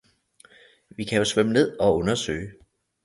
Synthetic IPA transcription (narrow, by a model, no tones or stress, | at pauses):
ʋikʰæjosʋeməne̝ð̞̰ˠɒ̽ɔ̽nɐsø̰ːɪ